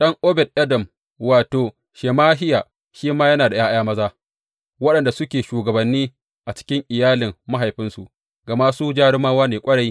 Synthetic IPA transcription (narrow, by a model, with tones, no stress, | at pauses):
ɗɐ˦ŋʔo˦bɛ˨t̚ʔɐ˦dɐ˨m | waː˨toː˨ | ʃeː˨maː˦ɦɪ˦jaː˨ | ʃiː˦maː˦jɐ˦naː˨da˨jaː˦ʔjaː˦mɐ˦zaː˦ | wɐ˦ɗɐ˨nda˨sʊ˦kʲeː˨ʃuː˨ɡɐ˨bɐ˨nːiː˦ | ʔa˨t͡ʃɪ̥˦kʲɪ˦ŋʔɪ˨jaː˦lɪ˨mːa˦ɦa˨jɸɪ˦nsu˨ | ɡɐ˨maː˦suː˦d͡ʒaː˦ɽɪ˦maː˦waː˦neː˨kʷʼɐ˦ɽa˦j